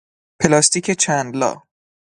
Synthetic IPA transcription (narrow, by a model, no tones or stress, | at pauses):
pʰelɒːst̪iːkʰet͡ʃʰænd̪lɒ̰ː